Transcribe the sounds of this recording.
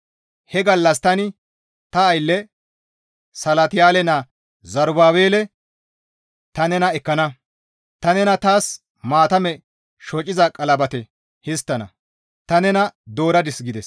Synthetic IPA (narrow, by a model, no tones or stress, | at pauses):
hɛɡɐlːɐst̪ɐnɪ | t̪ɐːjlːɛ | sɐlɐt̪ɪjaːlɛnɐ | zɐɾbaːweːlɛ | t̪ɐnɛnɐɛkːɐnɐ | t̪ɐnɛnɐt̪aːs | maːt̪ɐmɛ | ʃɔt͡ʃʼːɪzɐkʼɐlɐbɐt̪ɛ | hɪst̪ːɐnɐ̰ | t̪ɐnɛnɐd̪o̞ːɾɐd̪ɪsɡɪd̪ɛs